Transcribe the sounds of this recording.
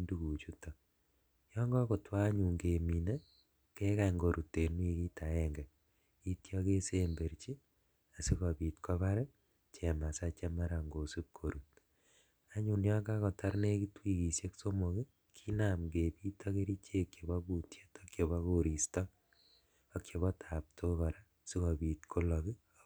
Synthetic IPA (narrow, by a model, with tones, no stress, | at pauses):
ndu˨ku˨t͡ʃutɔ˨ | jɔ˦ŋɡɔ˦ko˨twa˦ɲu˨ŋɡe˨mi˨ne˦ | keː˦ka˨ŋɡo˨ɾʔu˨te˨nwi˦kiː˦tʰa˨ɛŋɡɛ˨ | i˦tjɔke˦sembe˨ɾt͡ʃi˦ | a˨si˦kɔ˨biː˨tkɔ˦βa˦ɾe˦ | t͡ʃɛ˨ma˨sa˦t͡ʃe˦ma˦ɾa˨ŋɡo˨si˦p̚kʰo˨ɾut | a˦ɲu˨njɔ˦ɡa˦kɔ˨ta˦ɾne˦kitwi˨ki˨sje˦kso˦mo˨ki˦ | kʰi˦na˨mɡe˨pi˦tʰɔ˦ke˦ɾi˦t͡ʃʰe˦kje˨βɔ˦ku˨tʰje˦tɔkjo˨βɔ˦ko˨ɾi˨stɔ˦ | ɔ˦kjo˨βɔ˦tʰaː˨p̚tʰo˦kɔ˨ɾa˦ | si˦kɔ˨biː˨tkʰo˦lɔ˨ki˦